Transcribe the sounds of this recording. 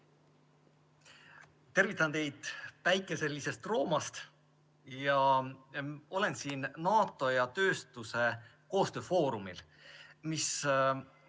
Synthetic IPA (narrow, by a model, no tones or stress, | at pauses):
t̪e̞rvit̪ːˑɑnt̪e̞jd̪̥pæjkːˑe̞se̞lʲːise̞st̪ro̞ːmɑst̪ | jɑ | o̞le̞nsiːnnɑːt̪ːˑo̞jɑt̪ø̞ːst̪use̞ | ko̞ːst̪ø̞ːfo̞ːɾumil | mis